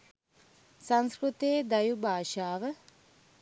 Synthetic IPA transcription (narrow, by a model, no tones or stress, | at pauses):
saŋskɾut̪eːd̪ɐjubʱaːʃaːʋə